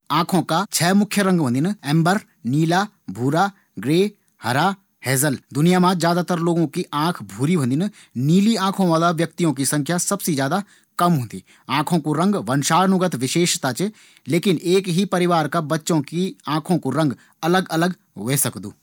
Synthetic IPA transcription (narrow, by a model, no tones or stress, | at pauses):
ãːkʰõkat͡ʃʰɛːmʊkʰjəɾɐ̃ŋɡʋɐ̃nd̪ɪnɛ̃ːmbəɾ | niːla | bʱuːɾa | ɡɾeː | hɐɾa | hɛːzəld̪ʊnɪjamãzjaːd̪at̪əɾloːɡõkiʔãːkʰbʱuːɾibʱɐ̃nd̪ɪn | niːliãːkʰõʋaːd̪aʋjɐk̚t̪ijõk̬isɐ̃ŋkʰjasɐbsid͡ʒjaːd̪a | kɐmɦõːnd̪iː | ãːkʰõkuɾɐ̃ŋɡʋɐnʃaːɾnʊɡət̪ʋɪʃeːʃt̪at͡ʃ | leːkɪneːkɦipɐɾɪʋaːɾkabɐtːʃõkiãːkʰõkuɾɐ̃ŋɡ | ɐləɡɐləɡ | ɦoesɐkd̪ṵː